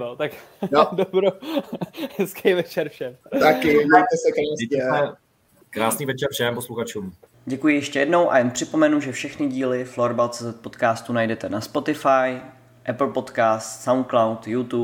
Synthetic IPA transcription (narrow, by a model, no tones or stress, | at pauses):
ot̪akdobɾo | hɛskʰɛjvɛt͡ʃɛɾfʃɛmt̪akɪdajt̪ɛsɛkɛɪɛɛ | kɾaːsniːvɛt͡ʃɛɾfʃɛmposluxat͡ʃuːm | ɟɛkujɪjɛʃcɛjɛdno̞wʔa̰jɛnpr̥ɪpo̞mɛnuʒɛfʃɛxnɪɟiːlɪfloɾbawt̪t͡sɛːzɛt̪̚po̞t̪kaːst̪unajdɛt̪ɛnaspo̞t̪ɪfaj | ʔɛpl̩po̞t̪kaːst̪sawnklawt̪jut̪u